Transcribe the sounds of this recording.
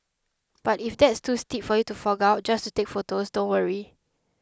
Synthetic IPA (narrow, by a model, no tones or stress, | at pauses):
b̥atifdɛtstustipfɔjutufɔɡaʊt̚d͡ʒastutekfotosdõnwəɹi